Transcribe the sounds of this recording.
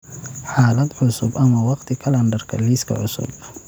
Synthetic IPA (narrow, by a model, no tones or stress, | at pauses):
ħaːlɐd̪ʕʊsʊbʔɐmɐwɑqt̪ʰɪkʰɐlɐnd̪ɐrkʰɐ̰liːskʰɐ̰ʕʊsʊ̰b